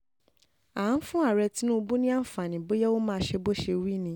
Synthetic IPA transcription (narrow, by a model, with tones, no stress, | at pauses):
a˨˦n̩˦fũ˦a˦˨ɾɛ˧ti˦nũ˦˧bũ˦nĩ˦a˦˨fa˨nĩ˨bo˦jɛ˦wo˦mãː˦˧˦ʃe˧bo˦˨ʃe˧wi˦˨nĩ˧˦